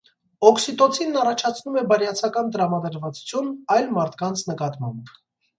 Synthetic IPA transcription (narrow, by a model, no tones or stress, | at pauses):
ɔksit̪ɔt͡sʰinːɑrɑt͡ʃʰɑt͡sʰnumɛbɑɾjɑt͡sʰɑkɑnt̪əɾɑmɑd̪əɾvɑt͡su̥t͡sʰjunɑjlmɑɾt̪ʰkɑnt͡sʰnəkɑt̪mɑ̰mb